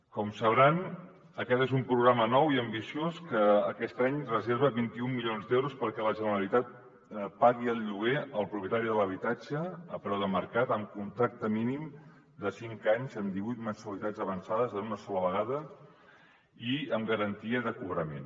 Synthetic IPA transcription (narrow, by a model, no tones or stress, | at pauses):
kɔmsəβɾan | əkɛt̪ezumpɾuɣɾamənɔwiəmbisioskəːkɛst̪aɲrəzeɾβəβint̪iumːilionzd̪ewɾuspəɾkɛləʒənəɾəlit̪at̪̚ | paɣiəlˠʎuɣ̞eəlˠpɾupjət̪aɾiðələβit̪ad͡ʒəːpɾɔwðəməɾkat̪əmkunt̪ɾak̚t̪əminim | d̪əsiŋkaɲzəmd̪iβujt̪mənsuəlit̪ad͡zəβənsaðəzənunəsɔləβəɣaðə | iəmɡəɾənt̪iəðəkuβɾəmen